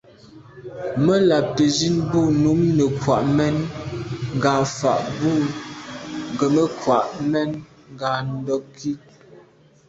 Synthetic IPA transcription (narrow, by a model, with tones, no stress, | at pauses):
mə˦la˨p̚tə˨d͡ʒi˦nbu˦˨nu˨˦mnə˨kwa˨ʔmɛ˦n | ŋ˨ɡaː˨fa̰˨ʔbu˦˨ | ŋ˨ɡə˨mə˦kwa˨ʔmɛ˦n | ŋ˨ɡa˨n̩˦dɔ˦kʰːi˦